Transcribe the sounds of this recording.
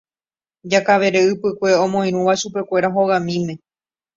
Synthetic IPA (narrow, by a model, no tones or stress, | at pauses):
d͡ʒakaʋe̞ɾe̞ɨpɨkʷe̞õ̞mõ̞j̃ɾũʋaʃupe̞kʷe̞ɾaɦo̞ɣãmĩmẽ̞